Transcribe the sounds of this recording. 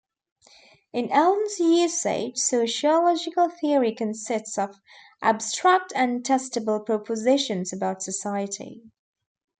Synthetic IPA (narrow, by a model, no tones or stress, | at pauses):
ɪ̃nɛl̃ˠnzjɪsḛɪd͡ʒ̥soʊʃiəlɔd͡ʒɪkəlˠθɪəɹikʰə̃nsɪstsəv | ʔə̰bstɹ̥ak̚tʰə̃ntʰɛstəbəlˠpʰɹ̥ɔpʰəzɪʃə̃nzəbaʊtsəsaɪətḭ